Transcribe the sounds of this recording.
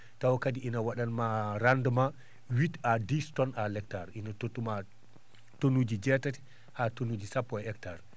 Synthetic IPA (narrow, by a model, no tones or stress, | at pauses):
tawkadiinawaɗanmaɾanduma | witadistɔnalɛktaɾʔinatotːuma | tonud͡ʒid͡ʒɛtati̥ | hatonud͡ʒisapːɔɛɛktaɾ